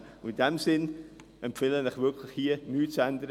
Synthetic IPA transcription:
ʊɪndɛmsɪn | ɛmpfɪlənɪχvɪkʰlɪχhiənyːtt͡sɛndəɾə

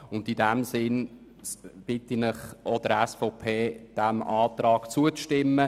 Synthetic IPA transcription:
ʊnd̪idɛmsɪn | b̥ɪt̪inɪχʔɔd̥̪əɾɛsfɔpʰeːd̥æmɑːtɾɑːkt͡suəʃtɪmːə

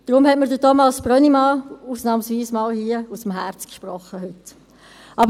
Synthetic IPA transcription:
d̪̥ɾʊmhɛtməɾdətɔmɑsb̥ɾœnimɑːuːsnɑːmsʋiːsmɑːlhiəusəmɦæɾt͡skʃprɔχːəhʏt | ʔɑb

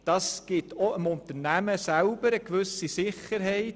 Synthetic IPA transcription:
d̥ɑːsɡ̥ɪtʰɔɪmʊntəɾnæməsælbəɾəkʋʏsisɪχəɾɦɛɪt

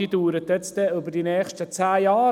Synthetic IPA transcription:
iːduːɾət̪jɛt͡stdɛʏbəɾdinɛːxʃtət͡sæːjɑː

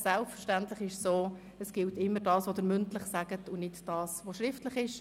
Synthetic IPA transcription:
sɛlpfəɾʃtæntlɪχɪʃsoː | əsɡ̥ɪltɪmːəɾdɑːsʋod̥ɪɾmʏntlɪχsaɡ̥ətʊnɪtd̥ɑːsʋoʃɾɪftlɪχɪʃ

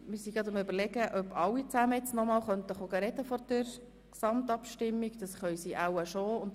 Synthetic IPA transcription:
mɪɾsiɡɑt̪ʊmʏbəɾlɛɡəʔœbɑlːit͡sæməjɛt͡snɔmɑːlχœnt̪əχoɡəɾɛdəfɔɾd̥əɾ | ksɑmt̪ɑpʃtɪmːiɡd̥̪ɑsχœjsiʔawəʃoːʊnd

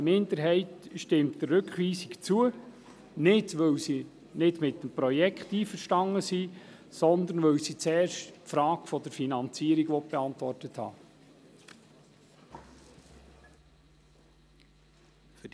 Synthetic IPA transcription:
mɪnd̪əɾɦɛɪtʃtɪmtd̥ərɾɵkχʋiːsikt͡suə | nɪdʋɵwsi | nɪdmɪt̪ːəmpɾɔjɛkχtiːfəɾʃtɑŋːəsiː | sɔnd̪ənʋɵwsit͡sɛːrʃtfɾɑːɡfɔd̪əɾfinɑnt͡siəɾiɡʋɔt̚b̥eɑnt̪ʋɔrtəthɑ̰ː | f

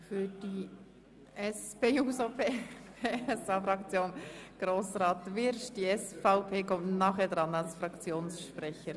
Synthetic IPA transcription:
fyːd̥iː | ʔɛspeːuːsopʰepeɛsɑːfɾɑkt͡sjoːnɡ̥ɾoːsʁaːtvɪɾʃd̥iːɛsfaʊpʰeːkɔmtnɑːχɛːɐdʁanalsfrɑkt͡sjoːnsʃprɛçəɾ

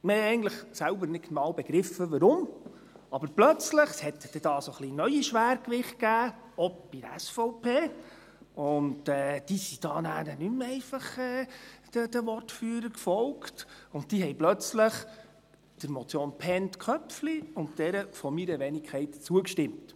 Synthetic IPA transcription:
mehɛɛɪɡən̩tləχsælbəɾnɪkmɑːwbɛɡ̥ɾɪfəʋɑɾʊm | ɑbəɾplœt͡sləχshɛt̪d̥ɛd̥ɑːsoχlinœʏiʃʋæːɾkʋɪχt̚kæː | ɔp̚b̥idæ̰sfɔʊpʰeː | ʊndɛːd̥isid̥ɑːnæːɾənymɛɪfɑχɛːd̥əd̥əʋɔrtfyːɾəkfɔlktʊnt̚tiːɦɛjplœt͡sləχ | d̥əɾmɔt͡sjoːnpʰɛntkʰœpfliʊnt̚d̥ɛɾəfɔmiɾəʋɛnikʰɛɪtt͡suəkʃtɪmt

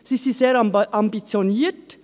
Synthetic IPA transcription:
sisiseːɾʔɑmbit͡sjoniːt

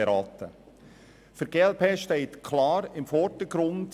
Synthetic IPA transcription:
eɾɑːt̪ə | fəɾɡeːɛlpʰeːʃtɛɪtkʰlɑːɾɪmfɔɾdəɡ̥ɾʊnd

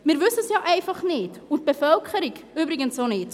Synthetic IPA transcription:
mɪːɾʋʏsəsjɑːʔɛɪfɑχnɪdʊnt̚b̥efœlkχəɾiɡybɾɪɡənsonɪːt

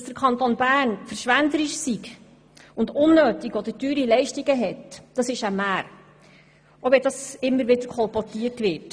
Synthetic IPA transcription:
sd̥əɾkʰɑnt̪onbæːɾnfəɾʃʋænd̪əɾiʃsiɡ | ʊndʊnːøːtiɡɔd̪ətyːɾilɛɪʃtiɡəɦɛtd̥ɑsɪʃæmæːɾ | ʔoʋɛdɑsɪmːəɾʋɪdəɾkʰɔlpɔtiətʋɪt

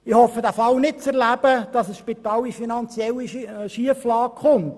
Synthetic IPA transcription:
ɪhɔfːədæfɑlnɪt̚t͡sɛɾlæb̥əd̥ɑsəsʃpit̪ɑːlifinɑnt͡sjɛlːiʃiəflɑːkχʊnt

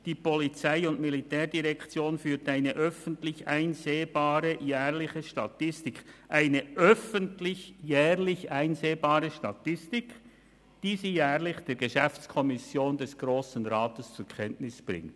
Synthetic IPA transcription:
d̥iːpɔlit͡saɪʊndmilitɛːɾd̥iʁɛkt͡sjoːnfyːtaɪnəʔœfəntlɪça̰ɪnzeːbaːɾəjɛːʁlɪçəʃtatɪstɪkʔaɪnəʔœfəntlɪçjɛːʁlɪçʔaɪnzeːbaːɾəʃtatɪstɪk | d̥iːziːjɛːʁlɪçd̥eːɾɡəʃɛft͡skʰɔmɪsjoːndɛsɡ̥ʁoːsn̩ʁaːtəst͡sʊkʰɛntnɪsb̥ʁɪ̰ŋt

